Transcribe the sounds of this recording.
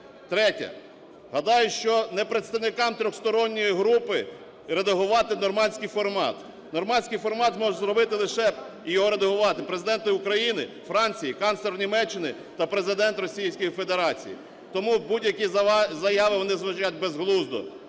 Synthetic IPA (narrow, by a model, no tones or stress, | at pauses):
t̪ɾɛtʲɐ̰ | ɦɐd̪ɑjʊʃt͡ʃɔnepɾet̪st̪ɐwnɪkɑmt̪ɾʲɔxst̪ɔɾɔnʲːɔjiɦɾupɪ | ɾed̪ɐɦʊʋɑt̪ɪnɔrmɑnʲsʲkijfɔrmɑ̰t̪ | nɔrmɑnʲsʲkɪjfɔrmɑt̪zmɔʒzɾɔbɪt̪ɪlˠɪʃɛ | ijɔɦɔɾed̪ɐɦʊʋɑt̪ɪpɾezɪd̪ɛnt̪ɪʊkɾɐjinɪ | fɾɑnʲt͡sʲijikɑnslˠɛɾnʲimɛt͡ʃːɪnɪ | t̪ɐpɾe̞zɪd̪ɛnt̪rɔsʲijsʲkɔjife̞d̪eɾɑt͡sʲḭjḭ | t̪ɔmubudʲjɐkʲizɐjɑʋɪʋɔnɪzʋɐʒat̚ʲbezɦlˠuzd̪ɔ̰